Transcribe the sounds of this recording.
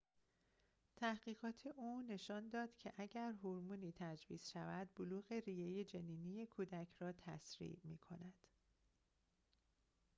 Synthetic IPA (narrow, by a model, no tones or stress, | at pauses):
t̪ʰæhɢiːɣɒːt̪ʰe̞ʔuːne̞ʃɒːnd̪ɒːd̪̥cʰe̞ʔæɟæɾɦoɾmuːniːt̪ʰæd͡ʒvḭːz̥ʃævæd̪̥̚boluːɣe̞riːjejed͡ʒeniːnije̞kʰuːd̪æcʰrɒːt̪ʰæ̰sɾḭːʔmḭːkʰo̞̰næd̪̥